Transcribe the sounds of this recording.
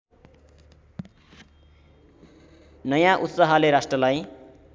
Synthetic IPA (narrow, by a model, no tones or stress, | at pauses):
nʌjãʔut̪sʌɦaleɾasʈrʌlaj